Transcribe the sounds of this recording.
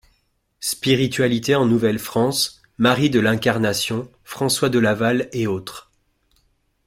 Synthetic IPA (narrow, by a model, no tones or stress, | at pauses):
spiʁit̪ɥalit̪eɑ̃nuvɛlfχɑ̃s | maʁid̪əlɛ̃kaʁnasjɔ̃ | fχɑ̃swad̪əlavaleot̪χ